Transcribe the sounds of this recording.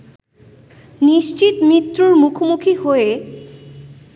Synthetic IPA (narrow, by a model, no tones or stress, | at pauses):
niʃt͡ʃʰit̪mit̪ːɾoɾmukʰomukʰihoe